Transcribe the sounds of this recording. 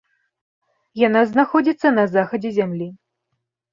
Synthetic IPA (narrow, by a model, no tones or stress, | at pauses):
janaznaxɔd͡zʲit̪sːɐnɐzaxɐd͡zʲɛzʲamlʲi